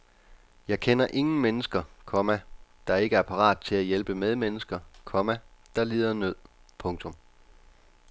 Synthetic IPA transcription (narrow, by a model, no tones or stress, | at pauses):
jɑ̈ɪkʰenɐʔe̝ŋn̩menəsɡ̥ɐkʰɒ̽mæd̥ɑ̈e̝ɡ̥əæɐpʰɑ̈ʁɑ̰̈ːd̥̚t͡sʰe̝læjelb̥əmeð̞ˠmenəsɡ̥ɐkʰɒ̽mæd̥ɑ̈liːðˠɐnøð̰ˠpʰɔ̽ŋt͡sʰɔ̽m